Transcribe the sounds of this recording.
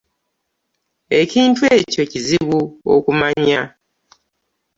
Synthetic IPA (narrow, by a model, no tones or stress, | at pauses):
e̞ciːntueːco̞ciziβuo̰kumaɲa